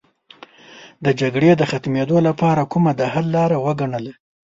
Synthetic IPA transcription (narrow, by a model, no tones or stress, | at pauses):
d̪əd͡ʒaɡɽed̪əxat̪med̪olapɑɾakumad̪ahalːɑɾawəɡaɳəla